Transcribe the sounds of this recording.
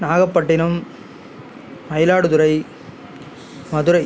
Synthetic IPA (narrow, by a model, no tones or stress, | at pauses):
naːɣɐpːɐʈːɪnɯm | ɐjlaːɽɯðʊɾɐɪ | mɐðɯɾɐɪ